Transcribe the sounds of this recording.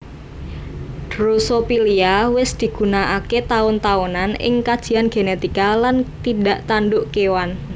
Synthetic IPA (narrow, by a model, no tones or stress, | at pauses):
d̥ɾusopiliawɪsd̪̥i̤ɡ̥ṳnaʔaket̪aʊnt̪aunanɪ̰ŋkad̥ʒ̥i̤anɡ̥enet̪ikalant̪idaʔt̪anɖʊʔkewan